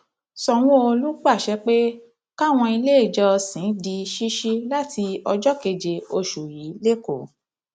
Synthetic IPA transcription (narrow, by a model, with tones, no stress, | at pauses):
sɔ˨w̃ɔ̃˦o˧lu˦k͡pa˦˨ʃɛ˦k͡pe˦ | ka˦˨w̃ɔ̃˧i˧le˦i˦˨d͡ʒɔ˧sĩ˨˦di˧ʃi˦ʃi˦la˦ti˧ɔ˧d͡ʒɔ˦ke˧d͡ʒe˧o˧ʃu˨ji˨˦le˦ko˨